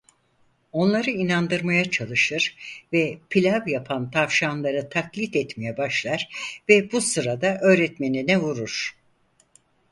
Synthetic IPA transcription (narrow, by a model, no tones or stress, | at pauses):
o̞nlˠaɾɯinand̪ɯɾmajat͡ʃʰalˠɯʃɯɾ̥vɛpʰilʲavjapʰant̪ʰafʃanlˠaɾɯt̪ʰaklʲit̪ɛt̪mejɛbaʃlˠaɾ̥vɛbusɯɾad̪aʔø̞ːɾɛt̪me̞ninɛvuɾuɾ̥